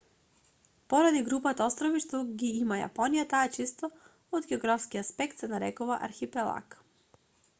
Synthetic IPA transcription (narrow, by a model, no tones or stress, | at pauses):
pɔɾad̪iɡɾupat̪aɔst̪ɾɔviʃt̪oɡiimaja̰pɔnijat̪aɛt͡ʃist̪ɔ | od̪ɡɛɔɡɾafskiaspɛkt̪sɛnaɾɛkɔvaʔa̰ɾxipɛlˠa̰k